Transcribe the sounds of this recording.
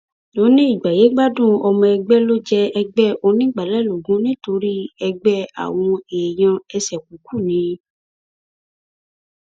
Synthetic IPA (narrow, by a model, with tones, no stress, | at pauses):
lo˨˦nĩ˦i˦˨ɡ͡ba˨je˨˦ɡ͡ba˦dũ˦ɔ˧mɔ̃˧ɛ˧ɡ͡bɛ˦lo˦d͡ʒɛ˧ɛ˧ɡ͡bɛ˦ʔo˧nĩ˦ɡ͡ba˨lɛ˦˨lo˨ɡũ˨˦nĩ˦to˧ɾi˦ɛ˧ɡ͡bɛ˦a̰˦˨w̃ɔ̃˧e˨j̃ã˧ɛ˧sɛ˨k̚u˨˦ku˦˨nĩ˨˦